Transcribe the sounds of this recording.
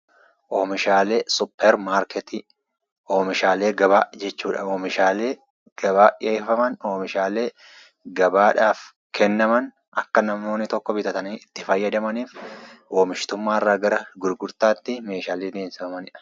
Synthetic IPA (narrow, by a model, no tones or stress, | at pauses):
ʔoːmɪʃaːleːsʊpːɛɾmaːɾkɛt̪i | ʔoːmɪʃaːle̞ːɡɐbaːd͡ʒɛt͡ʃːuːᶑɐ̰oːmɪʃaːleː | ɡ̥ɐbaːᶑɪeːfɐmɐnoːmɪʃaːle̞ː | ɡɐbaːᶑaːf | kʰɛnːɐmɐn | ɐkːɐnɐmo̞ːnːɪt̪ɔkːɔbɪt̪ɐt̪ɐniːɪt̪ːɪfɐjːɐd̪ɐmɐniːfwo̞ːmɪʃt̪ʊmːaːɪrːaːɡɐɾɐɡʊɾɡʊɾt̪aːt̪ːɪme̞ːʃaːleːd̪eːnsɪfɐmɐnɪᶑɐ̥